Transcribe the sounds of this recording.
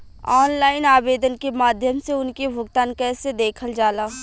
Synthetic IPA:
ɔːnlaːɪnaːbeːd̪ənkemaːd̪ʱjəmseʊnkebʱʊɡt̪aːnkɛːsed̪eːkʰəld͡ʒaːlaː

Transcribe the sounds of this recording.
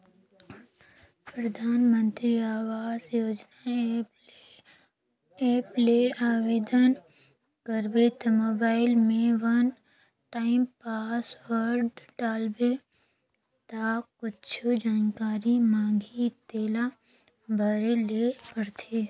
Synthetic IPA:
pɾəd̪ʱaːnmə̃nt̪ɾiaːʋaːzjoːd͡ʒna | eːpleaːʋeːd̪ən | kəɾbet̪moːbaːɪlmẽʋɐn | ʈaːɪmpaːsʋəɾɖɖaːlbe | t̪akʊt͡ʃʰod͡ʒaːnkaːɾimãːŋɡʱit̪eːla | bʱəɾelepəɽt̪ʰeː

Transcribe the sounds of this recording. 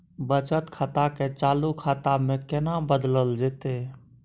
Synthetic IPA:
bət͡ʃət̪kʰat̪aket͡ʃaːlukʰat̪amẽkɪnabəd̪ləld͡ʒet̪e

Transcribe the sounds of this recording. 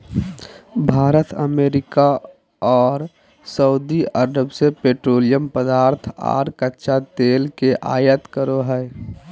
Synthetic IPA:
bʱaːɾət̪ʰəmeːɾɪka | ɔːɾ | səʊd̪iəɾəbsepeːʈɾoːlijəmpəd̪aːɾt̪ʰa̰ːɾkətːʃat̪eːlkeʔaːjət̪kəɾoɦɛː

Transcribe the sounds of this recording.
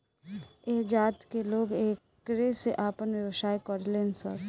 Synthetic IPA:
eːd͡ʒaːt̪keloːɡeːkː | ɾeseʔaːpənʋjəwsaːjkəɾleːnsə̰ɾ

